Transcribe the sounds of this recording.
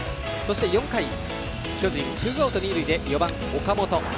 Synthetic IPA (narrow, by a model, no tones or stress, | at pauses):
so̞ɕi̥t̪e̞jõ̞ŋkai | kʰʲod͡ʑĩnt̪iɡoːt̪oɲ̟iɾɯid̪e̞jobãŋ | okamot̪o